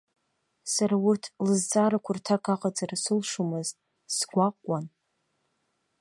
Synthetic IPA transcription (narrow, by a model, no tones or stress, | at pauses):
saɾaurtʰlɨzd͡zʼaɾakʷʰʊrtʰakʰʼaqʼad͡zarsɨlʂumɨztʼ | sɡʷaqʷʼwan